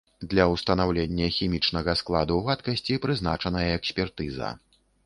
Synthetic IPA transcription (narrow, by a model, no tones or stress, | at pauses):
d̪lʲɐwst̪ɐnawlʲenʲːɐxʲimʲit͡ʂnɐɣɐsklˠa̰d̪uɣat̪kɐsʲt͡sʲipɾɨzna̰t͡ʂɐnɐjɐɛksʲpʲɛrt̪ɨzɐ̰